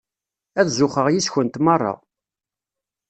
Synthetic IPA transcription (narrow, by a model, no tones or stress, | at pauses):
æðzʊχəʁjisçənt̪mɑrˤːɑ̰